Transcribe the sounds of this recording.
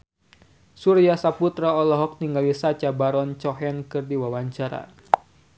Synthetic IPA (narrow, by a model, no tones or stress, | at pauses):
suɾiasaput̪ɾaɔlɔɦɔk̚niŋɡalisat͡ʃabaɾɔnt͡ʃɔɦɛnkɨrdiwawaɲt͡ʃaɾa̰